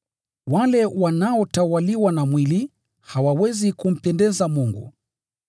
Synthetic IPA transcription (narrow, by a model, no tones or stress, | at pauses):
walɛwanaɔtawaliwanamwili | hawawɛzikum̩pɛndɛzamuŋɡṵ